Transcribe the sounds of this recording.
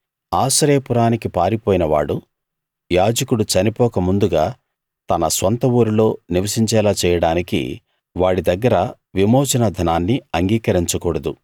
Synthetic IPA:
aːsɐɾeːpuɾaːnikipaːɾipoɔːjinɐʋa̰ːɽu | jaːd͡ʒɐkuɽut͡ʃɐnipɔːkɐmund̪uɡaː | t̪ɐnɐsʋɐnt̪ɐuːɾulo̞ːniʋɐsiɲt͡ʃɛːlaːt͡ʃɛːjɐɽaːnikḭ | ʋaːɽid̪ɐɡːɐɾɐ | ʋimɔːt͡ʃɐnɐd̪ʱɐnaːnːiɐŋɡiːkɐɾiɲt͡ʃɐkɔːɽɐd̪u

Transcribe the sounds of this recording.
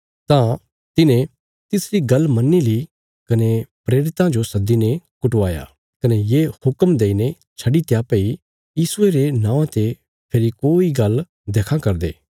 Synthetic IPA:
t̪ã | t̪ɪnẽ | t̪ɪsɾiɡɐlmɐnːili | kɐnepɾeːɾɪt̪ãd͡ʒosɐd̪ːinekʊʈʋaːja̰ː | kɐnejeːhʊkəmd̪eːine | t͡ʃʰɐɖit̪japei | jiːsʊeɾenãːʋãt̪e | pʰeɾikoːiɡɐl | d̪eːkʰãkɐɾd̪ḛː

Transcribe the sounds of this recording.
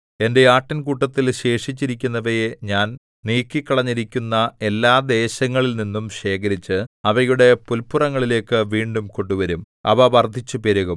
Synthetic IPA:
e̞nde̞aːʈːɐnkuʈːɐt̪ːilɕe̞ːʂit͡ɕːiɾikʲːunːɐʋɐjeɲaːn | niːkːikːɐɭɐɲːiɾikʲːunːɐe̞lːaːd̪e̞ːɕɐŋːɐɭilninːumɕe̞ːkɐɾit͡ɕːɨɐʋɐjuɽe̞pulpurɐŋːɐɭile̞ːkːɨʋiːɳɖumkoɳɖuʋɐɾum | ɐʋɐʋɐrd̪ʱːit͡ɕːupiɾɐɣum

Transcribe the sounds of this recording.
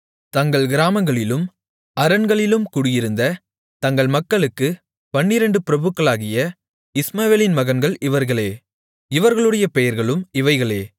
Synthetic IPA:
t̪ɐŋɡɐɭɡɪɾaːmɐŋɡɐɭɪlɯm | ɐɾɐnɡɐɭɪlɯmkʊɽɪjɪɾɯnd̪ɐ | t̪ɐŋɡɐɭmɐkːɐɭɯkːɯ | pɐɳːɪɾɐɳɖɯpɪɾɐbɯkːɐɭaːɣɪjɐ | ɪsmaːʋeːlɪnmɐɣɐnɡɐɭɪʋɐɾɣɐɭeː | ɪʋɐɾɣɐɭɯɽɐjɐpɛjɐɾɣɐɭɯmɪʋɐɪɣɐɭeː

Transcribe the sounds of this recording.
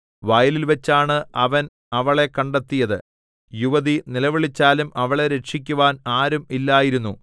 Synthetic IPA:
ʋɐjɐlilʋet͡ɕːaːɳɨɐʋɐn | ɐʋɐɭe̞kːɐɳɖet̪ːijɐðɨ | juʋɐðinilɐʋiɭit͡ɕːaːlumʔɐʋɐɭe̞ɾe̞ʈʂikʲːuʋaːnaːɾumilːaːjiɾunːu

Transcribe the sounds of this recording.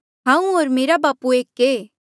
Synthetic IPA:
ɦãːũoːɾmeːɾabaːpueːkːeː

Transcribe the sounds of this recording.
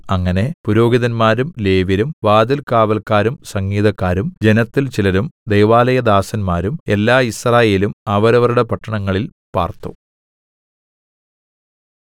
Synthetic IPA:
ɐŋːɐne̞puɾo̞ːɡiðɐnmaːɾumle̞ːʋjɐɾumʋaːd̪ɐlkaːʋɐlkːaːɾumsɐŋːiːðɐkːaːɾumd͡ʑe̞nɐt̪ːilt͡ɕilɐɾumd̪ejʋaːlɐjɐd̪aːsɐnmaːɾume̞lːaːisraːje̞ːlumɐʋɐɾɐʋɐɾuɽe̞pɐʈːɐɳɐŋːɐɭil | pa̰ːrt̪ːṵ

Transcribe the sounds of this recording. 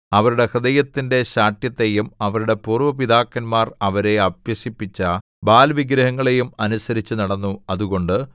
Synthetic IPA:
ɐʋɐɾuɽe̞krɐd̪ɐjɐt̪ːinde̞ɕaːʈ̪jɐt̪ːe̞jumɐʋɐɾuɽe̞puːrʋɐpid̪aːkːɐnmaːrɐʋɐɾe̞ɐbjɐsipːit͡ɕːɐ | baːlʋiɡɾɐɦɐŋːɐɭe̞jumɐnusɐɾit͡ɕːunɐɽɐnːuɐðuɣo̞ɳɖɨ

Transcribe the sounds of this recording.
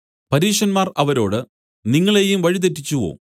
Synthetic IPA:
pɐɾiːʂɐnmaːrɐʋɐɾo̞ːɽɨ | niŋːɐɭe̞jumʋɐɻit̪̬etːit͡ɕːuʋo̞̰ː

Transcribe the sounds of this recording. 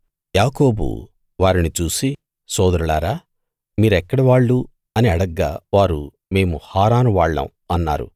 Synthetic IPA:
jaːko̞ːbṵ | ʋaːɾinit͡ʃuːsi | sɔːd̪ɐɾuɭaːɾaː | miːɾɛkːɐɽɐʋaːɭːu | ɐniɐɽɐɡːa̰ːʋaːɾu | me̞ːmuhaːɾaːnuʋaːɭːɐ̰m | ɐnːa̰ːɾṵ

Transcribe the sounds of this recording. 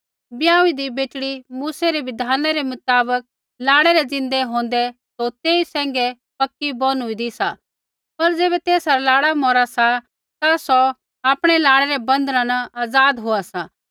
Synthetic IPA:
bjãːʊ̃id̪ibeːt͡ʃɽimuːsɛɾeʋɪd̪ʱaːnaɾɛmʊt̪aːbək̚ | laːɽɛɾɛd͡zɪ̃nd̪ɛɦõːnd̪ɛsot̪eːisɛ̃ːŋ̆ɡɛ | pɐkːibɔnʊid̪isa | pɐɾd͡zeːbɛt̪eːsaɾalaːɽamɔːɾasa | t̪asɔ | aːpɽ̃ɛlaːɽ̃ɛɾɛbɐ̃nd̪ɾãnɐaːd͡zaːd̪ɦoasa

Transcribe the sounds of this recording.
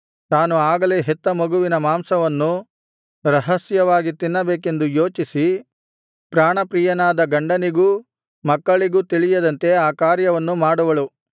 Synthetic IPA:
t̪aːnuaːɡɐleːɦet̪ːɐmɐɡuʋinɐmaːmsɐʋɐnːu | ɾɐɦɐsjɐʋaːɡit̪inːɐbeːk̬e̞nd̪ujo̞ːt͡ʃisi | pɾaːɳɐpɾiːjɐnaːd̪ɐɡɐɳɖɐniɡuː | mɐkːɐɭiɡuːt̪iɭijɐd̪ɐnt̪e̞aːkaːɾjɐʋɐnːumaːɽuʋɐɭu

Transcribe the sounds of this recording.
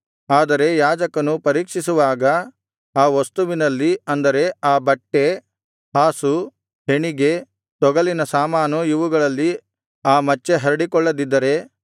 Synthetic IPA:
aːd̪ɐɾe̞jaːd͡ʒɐkɐnupɐɾiːkʂisuʋaːɡɐ | aːʋɐst̪uʋinɐlːiɐnd̪ɐɾe̞aːbɐʈːe̞ | haːsu | ɦeɳiɡe̞ | t̪ɔɡɐlinɐsaːmaːnuiʋuɡɐɭɐlːi | aːmɐt͡ʃːe̞ɦɐɾɐɽikɔɭːɐd̪id̪ːɐɾe̞

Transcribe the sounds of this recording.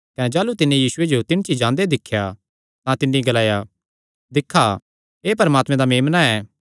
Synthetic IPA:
kɐ̃ñd͡ʒaːlut̪ɪnːẽjiːsʊed͡ʒot̪ɪnt͡ʃid͡ʒãːnd̪ed̪ɪkʰːja | t̪ãt̪ɪnːiɡɐlaːja | d̪ɪkʰːa | eːpɐɾəmaːt̪mẽd̪ameːmnaɛː

